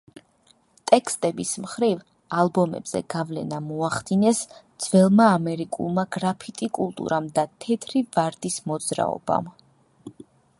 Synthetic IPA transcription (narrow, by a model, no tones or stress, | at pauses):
t̪ʼɛkʰst̪ʼɛbismχɾiv | alˠbɔmɛ̰bz̥ɛ̰ɡavlɛnamɔaχd̪inɛsd̪z̥vɛlˠmaːmɛɾikʼṵlˠmaɡɾapʰit̪ʼikʼulˠt̪ʼṵɾamd̪at̪ʰɛt̪ʰɾivaɾd̪ismɔd̪zɾa̰ɔ̰ba̰m